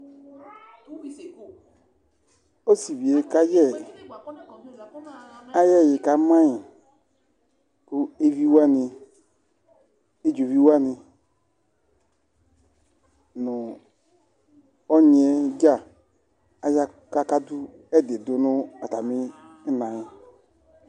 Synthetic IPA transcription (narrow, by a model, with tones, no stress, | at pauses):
o˦si˨vi˨e˨˦ka˦jɛ˦˨ | a˦jɛ˦˨jɪ˨ka˦ma˦ɲi˨ | ku˦e˦vi˦wa˦ni˨ | e˦d͡ʒo˨vi˦wa˦ni˨ | nʊ˨ | ɔ˦ɲ˨e˦d͡ʒa˦˨ | a˦ja˦ | ka˦ka˦du˦ | ɛ˦de˨du˨˦nʊ˦a˨ta˨mi˦ | nã˨jɪ˨